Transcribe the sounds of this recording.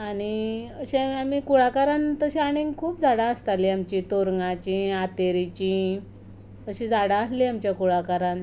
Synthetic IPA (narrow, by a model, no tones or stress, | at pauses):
aɽ̃iəɕẽamikuɭakaɾant̪əɕĩaɽ̃iŋɡkʰuːpd͡zaɽaəst̪aliamt͡ɕit̪oɾŋɡãt͡ɕĩat̪eɾit͡ɕĩ | əɕĩd͡zaɽãəsliamt͡ɕjakuɭakaɾan